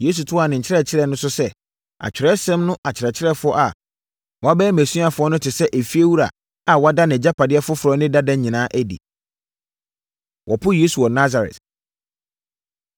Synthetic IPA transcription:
je˦s̬u˨tʰʊ˦a˨nɪ̃˨ɲ̩˨t͡ɕʰɪ˦ɾɛ˦˨t͡ɕʰɪ˦ɾɛ˦˨nʊ̃˦sʊ˦sɛ˦ | a̰˨t͡ɕᶣɪ˨ɾɛ˦sɛ̃˦mnʊ̃˦ʔa˨t͡ɕʰɪ˨ɾɛ˨t͡ɕʰɪ˦ɾɛ˦fʊ˦ɔ˦ʔa˨ | wɔ˨a˦bɛː˦mæ˨sũ˦a˨fʊ˨˦ɔ˦nʊ̃˦tʰɪ˨sɛ˦ʔæ˨fi˦e˦wu˦ɾa̰˨ | a˨wɔ˨˦a˦da˦nɪ̃˨d͡ʑa˦pʰa˨dɪ˦ɛ˦fʊ˦fʊ˨ɾɔ˦nɪ̃˦da˦dã˦ɲĩ˨nãː˦ʔæ˦dḭ˨ | wʔɔ˨pʰʊ˦je˦su˨wɔ˨na˦za˨ɾɛ̰˨t

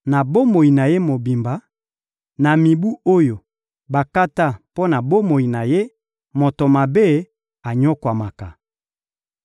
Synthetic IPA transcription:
na˨bo˦mo˨i˨na˨je˦mo˨bi˨mba˨˦ | na˨mi˨bu˦o˦jo˨ | ba˨ka˦ta˦˨po˦na˨bo˦mo˨ji˨na˨je˦ | mo˨to˨ma˨be˦˨ | a˨ɲɔ˦kwa˨ma˨ka˨

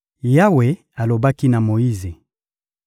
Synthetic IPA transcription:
ja˦we˨ | a˨lo˨ba˦ki˦na˨mo˨ji˦ze˨

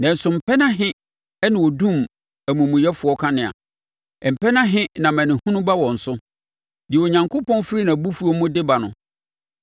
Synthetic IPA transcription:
nɛ̃˨n̩˨sʊ˨m̩˨pʰɛ˦nã˦ɦɪ̃˦ | ɛ˦nɪ̃˨wɔ˨dũ˦˨m | æ˨mũ˨mũ˨jɛ˦fʊ˨˦ɔ˦kʰa˦nɪ̃˨a̰˨ | ɛ˨m̩˨pɛ˦nã˦ɦɪ̃˦nã˨mɛ̃˨nɪ̃˨hũ˦nʊ̃˦ba˦wɔ̃˨n̩˨sʊ˦ | dɪ˨ɛ˨o˨ɲã˨ŋkʰʊ˦pɔ̃˦nfɾi˦nã˨bu˦fu˦o˦mʊ̃˦dɪ˦ba˨nʊ̃˨

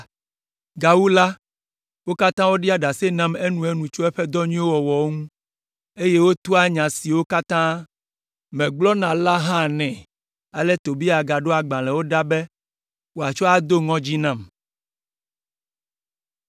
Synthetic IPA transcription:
ɡa˨wu˦la˦ | wo˦ka˦t̪ã˦wo˦ɖi˦a˦ɖa˨se˦nã˦me˦nũ˨e˦nũ˨t͡ʃo˦ɛ˦ɸɛ˦d̪ɔ˦ɲĩ˦wo˦wɔ˨wɔ˨o˦ŋũ˦ | e˦je˦wo˦t̪u˦a˦ɲã˨si˨wo˦ka˦t̪ã˦ | mɛ̃˨ɡ͡blɔ˦nã˨la˦ɦã˦nɛ̃˨ | a˨lɛ˦t̪o˨bi˦a˨ɡa˨ɖo˦a˨ɡ͡bã˨lɛ̃˨wo˦ɖa˦bɛ˦ | wo˦a˨t͡ʃɔ˦a˦d̪o˦ŋɔ̃˦d͡ʑi˦nã˦˨m

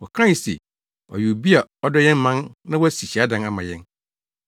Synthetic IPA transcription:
wɔ˨kʰɾã˦˨sḛ˨ | ɔ̰˨ju˨bi˦a˨ɔ˦dɔ˦jɛ̃˦n˦mã˦nnã˦wɔ˦æ˦si˨ɕi˨a˦dã˦na˦mã˨jɛ̃˦n

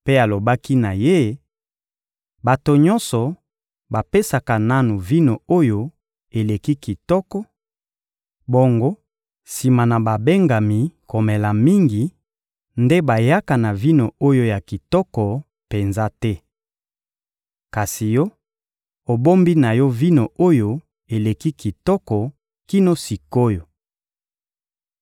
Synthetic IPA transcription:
pe˦a˨lo˨ba˦ki˦na˨je˦ | ba˨to˨ɲɔ˦nsɔ˨ | ba˨pe˦sa˨ka˨na˦nu˨vi˦no˨o˦jo˦ | e˨le˨ki˦ki˨tɔ˦kɔ˦ | bo˦ŋɡo˦ | si˨ma˨na˨ba˨be˦ŋɡa˨mi˨ko˨mɛ˨la˨mi˦ŋɡi˨ | nde˦ba˨ja˦ka˨na˨vi˦no˨o˦jo˦ja˨ki˨tɔ˦kɔ˨ | pe˨nza˦tɛ˦ | ka˨si˨jɔ˦ | o˨bo˦mbi˦na˨jɔ˦vi˦no˨o˦jo˦ | e˨le˨ki˦ki˨tɔ˦kɔ˨ | ki˦no˦si˨ko˦jo˨

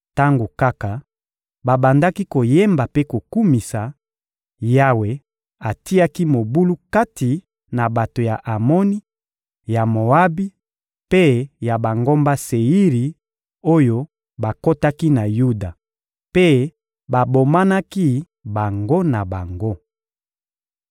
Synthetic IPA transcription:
ta˦ŋɡo˨ka˦ka˨ | ba˨ba˨nda˦ki˦ko˨je˦mba˨pe˦ko˨ku˦mi˨sa˨ | ja˦we˨ | a˨ti˦a˦ki˦mo˨bu˦lu˦ka˦ti˨ | na˨ba˨to˨ja˨ʔa˨mɔ˦ni˦ | ja˨mo˨a˦bi˦ | pe˦ja˨ba˨ŋɡo˦mba˦se˨i˦ʁi˨ | o˦jo˦ | ba˨ko˦ta˦ki˦na˨ju˦da˨ | pe˦ | ba˨bo˨ma˦na˦ki˦ | ba˨ŋɡo˦na˨ba˨ŋɡo˦

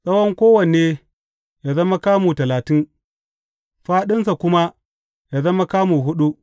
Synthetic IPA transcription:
sʼɐ˦wɐ˦ŋkʷoː˦wɐ˨neː˦ | jaː˨zɐ˦ma˦kaː˦muː˨tɐ˨laː˨tɪ˦n | ɸaː˦ɗɪ˦nsa˨kʷʊ˦ma˦ | jaː˨zɐ˦ma˦kaː˦muː˨ɦʊ˦ɗu˦

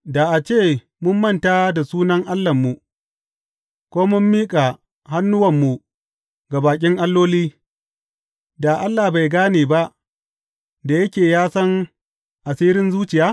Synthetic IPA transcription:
da˨ʔa˨t͡ʃeː˦˨ | mʊ˦mːɐ˦˨nta˦da˨suː˦nɐ˦ŋʔa˦lːɐ˨mːu˨ | kʷoː˦mʊ˦mːiː˦kʼa˨ | ɦa˦nːʊ˦wɐ˨mːu˨ | ɡa˨baː˨k̬ʲʼɪ˦ŋʔa˦lːoː˦liː˦ | da˨ʔa˦lːa˨ba˨jɡaː˦neː˨ba˦ʔ | da˨jɐ˦kʲeː˨jaː˦sɐ˦ŋ | ʔa˨siː˦ɾɪ˦nzuː˦t͡ʃɪ˨jaː˦

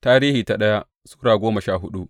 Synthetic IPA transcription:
taː˦ɾiː˦hiː˨ta˨ɗɐ˦ja˦ʔ | su̥ː˦ɽaː˨ɡʷoː˦mɐ˨ʃaː˦˨ɦʊ˦ɗu˦ʔ

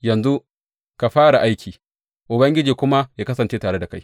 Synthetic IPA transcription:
jɐ˨nzu˦ | ka˨ɸaː˦ɽa˨ʔa˦jkʲʰiː˨ | ʔʊ˨bɐ˦ŋɡʲɪ˦d͡ʒiː˨kʷʊ˦ma˦jaː˦kɐ˦sɐ˨nt͡ʃeː˦taː˨ɽe˦da˨ka˦j

